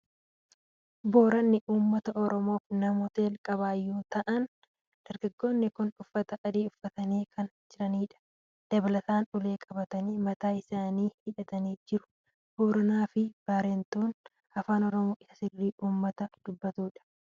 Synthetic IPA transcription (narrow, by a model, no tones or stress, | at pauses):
bo̞ːɾɐnːɪʔuːmːɐt̪ɐʔɔɾɔmo̞ːfnɐmʊt̪eːlkʼɐβaːjːoːt̪ɐʔɐn | d̪̥ɐɾɡɐɡːo̞ːnːɪkʊnʊfːɐt̪ɐʔːd̪iːʊfːɐt̪ɐneːkʰɐn | d͡ʒɪɾɐniːᶑɐ̥ | d̪̥ɐbɐlɐt̪aːnʊle̞ːkʼɐbɐt̪ɐniːmɐt̪aːɪsaːniːhɪᶑɐt̪ɐniːd͡ʒɪɾʊ̥ | b̥o̞ːɾɐnaːfɪb̥aːɾeːnt̪oːn | ɐfaːnɔɾɔmoːʔɪsɐ̥sɪrːiːʔuːmːɐt̪ɐd̪̥ʊbːɐt̪uːᶑɐ̥